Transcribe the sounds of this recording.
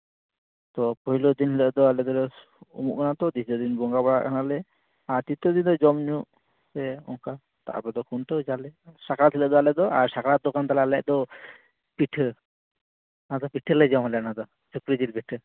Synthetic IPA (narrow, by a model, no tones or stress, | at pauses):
t̪ɔpɔɦilɔd̪inɦɛləʔd̪ɔalɛd̪ɔɾɛ | ṵmṵʔkʰanat̪ɔd̪isd̪ɔd̪inbɔŋɡabaɽa̰ʔkʰanalɛ | aɾt̪it̪ɔd̪ind̪ɔd͡ʒɔmɲuʔ | sɛɔ̰ŋka | t̪a̰ʔa̰pɛd̪ɔkʰunʈɔd͡ʒalɛsakɾat̪ʰiləʔd̪ɔalɛd̪ɔʔaɾsakɾad̪ɔkant̪alalɛʔ̚d̪ɔ | piʈʰ | ad̪ɔpiʈʰələd͡ʒamɦalɛanad̪ɔ | sukɾid͡ʒilpiʈʰ